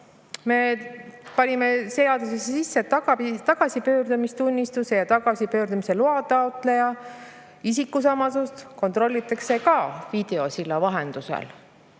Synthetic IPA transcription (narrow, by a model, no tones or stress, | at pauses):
me̞pɑnʲimese̞ɑd̪usesːesisːet̪ɑɑt̪ɑɡ̥ɑsipø̞ːrd̪umist̪unʲːist̪use̞jɑt̪ɑɡ̥ɑsipø̞ːɾd̪umise̞luɑt̪ˑɑot̪ˑle̞jɑ | isikːˑusɑmɑsust̪ko̞nt̪ˑro̞lʲːit̪ːˑɑkse̞kɑvid̪̥e̞o̞silːɑvɑɦend̪̥usḛl